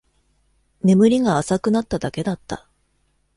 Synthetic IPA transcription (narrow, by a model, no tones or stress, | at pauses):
ne̞mɯ̟ɾʲiɡaːsakɯ̟nat̪ːad̪ake̞d̪at̪ːa̰